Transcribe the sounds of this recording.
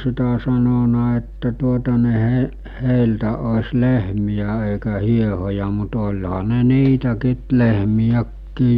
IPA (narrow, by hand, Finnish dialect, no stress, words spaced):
sitæ sɑnonɑ etːæ tuotɑ ne he heˑiltæ osʲ lehmijæ eˑikæ hiehojɑ mut olʲhɑ ne niːtækiːt lehmijækːiː